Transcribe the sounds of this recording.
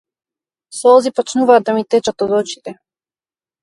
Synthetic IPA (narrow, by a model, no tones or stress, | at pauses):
sɔlˠzipɔt͡ʃnuvaːd̪amit̪ɛt͡ʃat̪ɔd̪ɔt͡ʃi̥t̪ɛ